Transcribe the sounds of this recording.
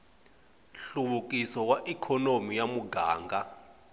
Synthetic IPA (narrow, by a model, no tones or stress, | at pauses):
ɬuɓuk̬ʼisɔwaʔikʰɔnomijamuɡaːŋɡʱa